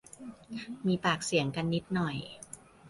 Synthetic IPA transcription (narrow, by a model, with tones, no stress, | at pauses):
miː˧paː˨˩k̚si˨˩˦əŋka˧nːi˦˥t̪̚nɔ˨˩j